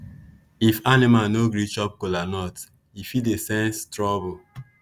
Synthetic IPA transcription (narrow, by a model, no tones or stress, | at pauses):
ifanɪmanoɡɾit͡ʃɔp̚kolanɔt | ifitesɛ̃nstɹɔbo